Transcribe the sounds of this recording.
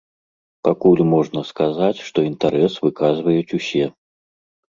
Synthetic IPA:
pakulʲmɔʐnɐskazat͡sʲʂt̪ɔint̪aɾɛsvɨkazvɐjut͡sʲusʲɛ

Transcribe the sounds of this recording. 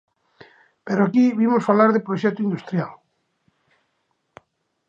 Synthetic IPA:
peɾoakiβimosfalaɾðepɾoʃɛt̪uind̪ust̪ɾjal

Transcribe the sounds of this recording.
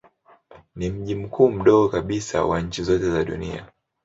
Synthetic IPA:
nim̩ʄim̩kʰuːm̩ɗɔɡɔkaɓisa̰waɲ̩t͡ʃizɔtɛzaɗṵnia̰

